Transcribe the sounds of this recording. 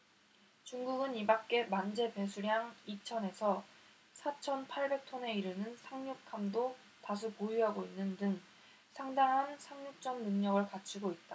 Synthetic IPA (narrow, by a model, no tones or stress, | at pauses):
t͡ɕuŋɡuɡɯnibak̚k͈e̞mand͡ʑe̞pe̞sʰuɾjaŋit͡ɕʰʌne̞sʰʌ | sʰat͡ɕʰʌnpʰaɭbe̞k̚tʰʌne̞iɾɯnɯnsʰaŋɲuk̚kʰamdo | tas̬ʰukojuɦaɡoinːɯndɯŋ | sʰaŋdaŋɦansʰamɲuk̚t͡ɕ͈ʌnnɯŋɲʌɡɯɭkat͡ɕʰiɡoit̚t͈a